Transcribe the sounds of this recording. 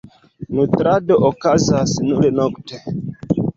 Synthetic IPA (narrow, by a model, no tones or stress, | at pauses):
nutɾadoʔokazasnuɾenokte